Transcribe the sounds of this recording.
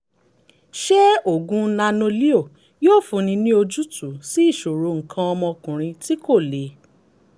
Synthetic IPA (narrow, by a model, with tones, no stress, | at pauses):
ʃɛ˦o˨ɡũ˧˦nã˧no˧li˦o˦˨ | joː˦˨fũ˨˦nĩ˧nĩ˦o˧d͡ʒu˦tu˨˦si˦i˦˨ʃo˨ɾo˨˧ŋ̩˨kʰã˧ɔ˧mɔ̃˧kũ˨ɾ̃ĩ˧ti˦ko˦˨le˨˦